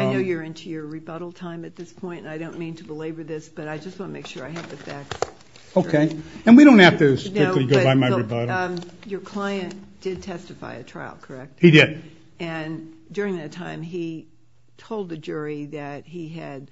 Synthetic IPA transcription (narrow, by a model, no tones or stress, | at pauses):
aɪnoʊjə˞ɪ̃ntʰʉjə˞ɹibʌɾl̩ˠtʰãɪ̃mɨt̪̚ðɪspʰɔ̃ɪ̃ntɨ̃naɪɾõʊ̃nmĩntʰəbəleɪbə˞ðɪsb̥ʌɾaɪd͡ʒʌst̚wɑ̃nəmeɪkʃʊɹaɪɨvðɨfæk̚s | oʊkʰeɪɨ̃nwiɾõʊ̃nthæftɨskɪkliɡoʊbaɪmaɪɹibʌɾl̩ˠjə˞kʰl̥aɪɨ̃nd̥ɪd̚tʰɛstɨfa̰ɪɨtʰɹ̥a̰ɪl̩ˠkʰə˞ɛk̚thidɪd̥̚ | ɨ̃ndʊɹɪ̃ŋðɨtʰãɪ̃mi | tʰoʊlˠd̪̚ðɨd͡ʒʊɹiðɨt̚hiɨd̥̚